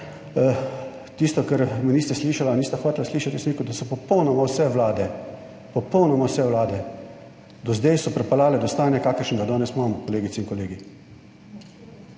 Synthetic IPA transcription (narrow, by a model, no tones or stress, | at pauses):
t̪ist̪ɔkɛɾminiːst̪ɛsliʃalaniːst̪axɔːt̪lasliːʃat̪iusmiːkud̪asɔpɔpɔwnɔmawsɛʋlaːd̪ɛ | pɔpɔwnɔmawsɛʋlaːd̪ɛ | d̪ɔzd̪ɛjsɔpɾɛpalaːlɛd̪ɔst̪aːnjakaːkəɾʃənd̪ad̪ɔːnɛsmamkɔleːɡit̪sɛinkɔleːɡi